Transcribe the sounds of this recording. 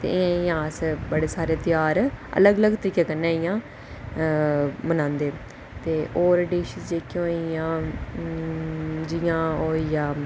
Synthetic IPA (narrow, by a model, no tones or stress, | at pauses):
t̪ḛːɪãɪjãːsbəɽeːsaːɾeːt̪ɪjaːɾə̰ləɡələɡt̪əɾiːkeːkənːãːɪjãː | mənãːnd̪eː | t̪eːʔoːɾɖiːʃəsd͡ʒeːkjõoijãː | d͡ʒɪjãːoːijãː